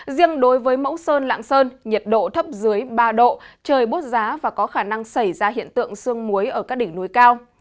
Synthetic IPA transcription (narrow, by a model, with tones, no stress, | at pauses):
zi˧əŋɗo˨˦jvəː˨˦jmə̰˧˥wsəː˧nla̰ː˧˨ŋsəː˧nɲə˨˩t̚ɗo̰˧˨t̪ʰə˦˥p̚zɨ˨˦əjɓaː˧ɗo̰˧˨t͡ɕəː˨˩jɓu˦˥t̚zaː˨˦vaː˨˩kɔ˨˦xaː˧˩na˧ŋsə˧˩jzaː˧ɦḭ˧˨ənt̪ɨ̰˧˨əŋsɨ˧əŋmu˨˦əjʔəː˧˩kaː˦˥k̚ɗï˧˩ŋnu˨˩˦jkaː˧w